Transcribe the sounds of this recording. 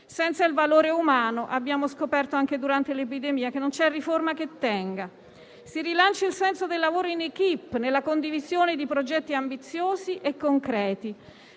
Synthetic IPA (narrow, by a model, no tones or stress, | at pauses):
sɛnt̪sailvaloːɾeumaːnoʔabːjaːmoskopɛrt̪oaŋked̪uɾant̪elepid̪emiːakenːont͡ʃɛrːiformaket̪ːɛŋɡa | sirilant͡ʃailsɛnsod̪elːavoːɾoinekipːnelːakond̪ivizjoːned̪ipɾod͡ʒɛt̪ːiambit̪sːjoːziʔekːoŋkɾɛːt̪i